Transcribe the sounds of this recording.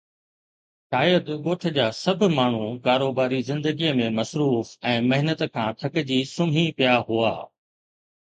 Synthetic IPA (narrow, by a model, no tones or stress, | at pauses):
ʃaːjəd̪ɠoːʈʰɪ̆d͡ʑaːsɐbʱʊ̆maːɳ̤ũkaːɾoːbaːɾizɪ̃nd̪əɡijəmẽmɐsɾuːfɛ̃ːmɐɦɪnət̪kʰãːt̪ʰɐkd͡ʑiːsʊmɦĩpijaɦua̰ː